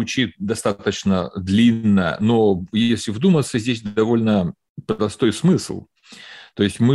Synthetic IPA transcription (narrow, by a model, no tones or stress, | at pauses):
ʊt͡ɕit̪̚d̪ɐst̪at̪ət͡ɕnəd̪lʲinːəjə̰nojesʲlʲɪvd̪umət̪səzʲdʲesʲd̪ɐvo̞lʲnə | pɾəd̪ɐst̪o̞jsmɨsl̩ˠ | t̪o̞ɪsʲtʲmɨ